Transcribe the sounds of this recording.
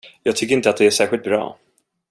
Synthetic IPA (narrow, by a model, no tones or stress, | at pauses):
jɑːɡ̚t̪ʰʏkːɾɪnt̪əat̪̚d̪ɛæʂæːɾɧɪlt̪̚bɾɑ̰ː